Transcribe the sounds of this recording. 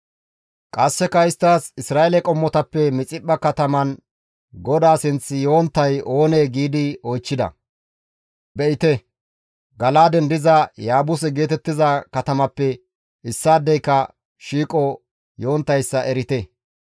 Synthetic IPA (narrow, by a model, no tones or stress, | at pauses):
kʼɐsːɛkɐɪst̪ːaːsɪsɾaːɛlɛkʼɔmːɔt̪ɐpːɛmɪt͡sʼɪpːɐkɐt̪ɐmɐn | ɡɔd̪aːsɪnt͡sːɪjo̞ːnt̪ːɐjo̞ːneːɡiːd̪ɪɔjt͡ʃːɪd̪ɐ̰ | bɛʔɪt̪ɛ | ɡɐlaːd̪ɛnd̪ɪzɐjaːbʊs̬ɛɡe̞ːt̪ɛt̪ːɪzɐkɐt̪ɐmɐpːɛ | ɪsːaːd̪ːɛjkːɐ | ʃiːkʼɔ | jo̞ːnt̪ːɐjsːɐʔɛɾɪt̪ɛ